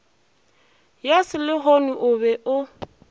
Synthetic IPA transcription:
jasɪlɪɦɔnuʔʊbɛʔʊ

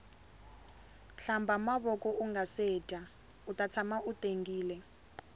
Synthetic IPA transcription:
ɬambʱamaβɔkʼɔʔuŋasɛːtʼa | utʼat͡sʰamaʔutʼeŋɡiːlɛ

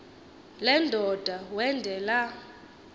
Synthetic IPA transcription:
lɛndʱɔd̥ʱawɛndʱɛla

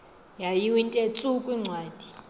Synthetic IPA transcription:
jajiwintʼet͡sʼukʼwiŋ͡ǀʱwaːd̥ʱi̥

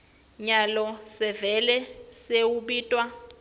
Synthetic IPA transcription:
ɲalɔsɛvɛlɛseuɓiːtʼwa

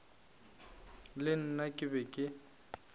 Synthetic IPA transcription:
lɪn̩nakʼɪbɛkʼɪ

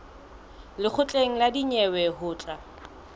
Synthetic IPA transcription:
lɪk͡xʰʊt͡ɬʼeŋ̩ladiɲɛwɛhʊːt͡ɬʼa

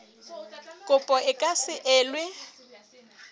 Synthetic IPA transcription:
kʼʊpʼɔɪkʼasɪʔɛːlwe

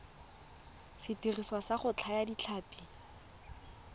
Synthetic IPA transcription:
sɪtiriswasaχʊt͡ɬʰajadit͡ɬʰaːpi

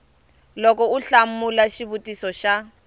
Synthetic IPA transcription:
lɔkʼɔuɬamulaʃiβutʼisɔʃa

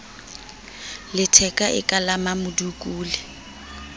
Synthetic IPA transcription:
lɪtʰɛkʼaʔɪ̰kʼalamamʊdukʼuːlɪ

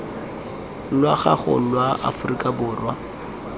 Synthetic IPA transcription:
lwaχa̰χʊ̰lwaʔa̰fʊrikʼabʊːrwa

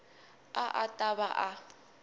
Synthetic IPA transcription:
aʔatʼabaʔa

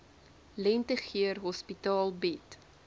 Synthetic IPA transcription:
lɛntəχiərɦɔspitɑːlˠbɛt

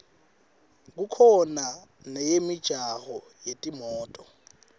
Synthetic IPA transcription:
k̬ukʰɔna | nɛjemid̥ʒ̥ʱahɔ | jetʼimɔːtʼɔ

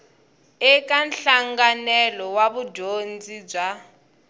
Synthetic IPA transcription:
ɛkanɬaŋɡanɛlɔwaβudond͡zib͡ʐa

